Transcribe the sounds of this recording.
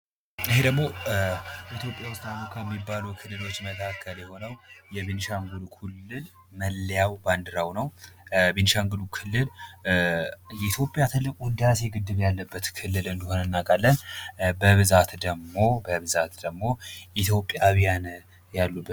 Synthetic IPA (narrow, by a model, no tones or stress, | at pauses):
ɨhe̞d̪əɡmo̞ | it̪ʰjo̞pʼjawʊst̪ʼamokʰːamːibːalukʰɨlːɨlo̞t͡ʃːmət̪ʰakʰːəljɛho̞nəwjɛβinʃaŋɡulukʰulːɨl | məlːjawband̪ɨɾawnəwbinʃaŋɡulukʰɨlːɨl | jɛit̪ʰjo̞pʼjat̪ʰɨlːɨkʼund̪jaseɡɨd̪ːɨβjalːəbːət̪kʰɨlːɨlɨnd̪ihonɨnːakʼalːənbəβɨzat̪d̪əɡmo̞bəβɨzat̪d̪əɡmo̞ʔit̪ʰjo̞pʼjawijan | jalːub